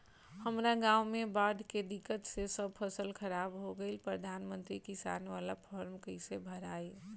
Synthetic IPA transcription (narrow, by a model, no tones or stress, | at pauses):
həmɾaɡaːumẽbaːɖ̪ʱked̪ɪkːət̪sesəb̚pʰəsəlkʰəɾaːbɦoɡəɪlpɾəd̪ʱaːnmə̃nt̪ɾikɪsa̰ːnʋalapʰɔɾmkəɪsebʱəɾaːe